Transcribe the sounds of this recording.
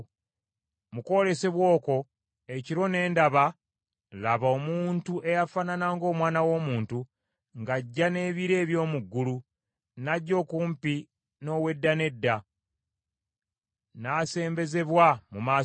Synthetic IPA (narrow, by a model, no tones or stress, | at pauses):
muko̞le̞se̞βwo̞ːko̞ | e̞ciɾo̞ne̞ːndaβa | laβaomuːntue̞jafananaŋɡo̞ːmwaːnawo̞ːmuːntu | ŋɡaɟːane̞ːβiɾe̞ːβjo̞ːmuɡːulu | naɟːo̞ːkuːmpi | no̞ːwe̞dːane̞dːa | naːse̞ːmbe̞ze̞βwamumaː